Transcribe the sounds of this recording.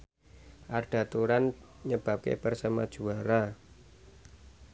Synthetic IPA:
ʔaɖ̥ä̤t̪uɾan | ɲəb̥a̤p̚kḛpərsamad̥ʒ̥ṳaɾa

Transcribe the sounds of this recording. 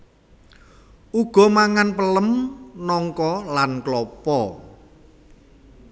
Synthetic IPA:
uɡ̥ɔ̤maŋanpələmnɔŋkɔlanklɔpɔ

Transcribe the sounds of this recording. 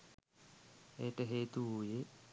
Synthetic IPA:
eːʈəɦeːt̪uuje

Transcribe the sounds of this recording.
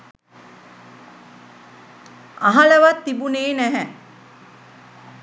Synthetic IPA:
aɦɐləʋat̪ːibuneːnæɦɛ

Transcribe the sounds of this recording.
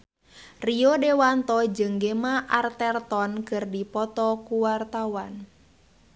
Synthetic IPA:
riɔdɛwant̪ɔd͡ʒəŋɡemaʔart̪ɛrt̪ɔnkɨrdipɔt̪ɔkuwart̪awan

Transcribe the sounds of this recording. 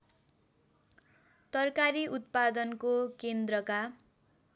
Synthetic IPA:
t̪ʌrkaɾiʔut̪̚pad̪ʌnkokend̪rʌka

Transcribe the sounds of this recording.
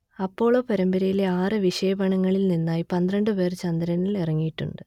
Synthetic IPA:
ɐpːo̞ːɭoːpɐɾɐmbɐɾɐjile̞aːrɨʋiʂɐjɐbɐɳɐŋːɐɭilninːaːjipɐnd̪ɾɐɳɖɨpeːrɨt͡ɕɐnd̪ɐɾɐnilerɐŋːijiʈːṵɳɖɨ

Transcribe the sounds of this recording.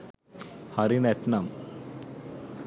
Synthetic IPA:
haɾinesnam

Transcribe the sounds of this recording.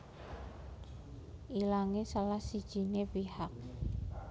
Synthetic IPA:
ʔilaŋesalahsid̥ʒ̥i̤nepihak̚

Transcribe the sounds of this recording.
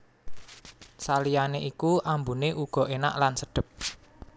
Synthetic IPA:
salijaneʔikuʔambuneʔuɡ̥ɔ̤ʔena̰ʔlansəɖ̥ə̤p̚

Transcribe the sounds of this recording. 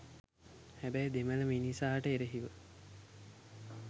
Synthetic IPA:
hæbæjd̪emələminisaːʈəeɾəɦiʋə

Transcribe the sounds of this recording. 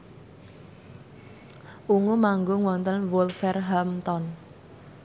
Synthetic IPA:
ʔuŋumaŋɡoŋwɔnt̪ənwɔlfɛrɦamt̪ɔn

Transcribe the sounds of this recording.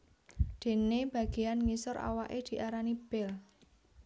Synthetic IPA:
d̪̥e̤neb̥ä̤ɡ̥eanŋisʊɾʔa̰waʔed̪̥i̤ʔaɾanib̥ɛl

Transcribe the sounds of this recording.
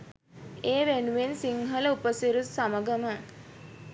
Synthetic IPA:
eːʋenuʋensiŋɦələupəsiɾut̪saməɡəmə

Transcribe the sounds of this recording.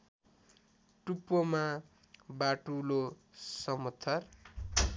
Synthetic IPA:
ʈupːoma | baʈulosʌmʌt̪ʰːʌr

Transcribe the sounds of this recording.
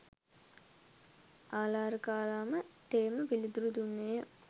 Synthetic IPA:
ʔaːlaːɾəkaːɾaːməʈ̪eːməʋilid̪uɾud̪unːejə

